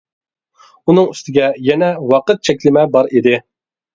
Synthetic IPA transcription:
unɨŋyst̪ʰɪɡʲɛjɛnɛwɑqət̪̚t͡ʃʰɛkʲlɪmɛbɑɾid̪ɪ

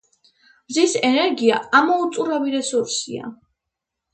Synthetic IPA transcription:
mzisɛnɛɾɡiaamɔut̪sʼuɾaviɾɛsuɾsia̰

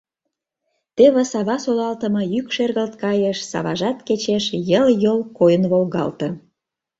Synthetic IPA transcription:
t̪eβĕsɑβɑsolɑlt̪əmɤ̆jykʃerɣəlt̪̚kɑjeʃsɑ̰βɑ̰ʒɑt̪ket͡ɕeʃjəljolkojənβolɣɑ̰lt̪ɤ̆

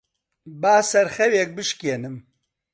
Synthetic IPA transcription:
baːsɛɾxɛwjɛk̚bɨʃkeːnɨm

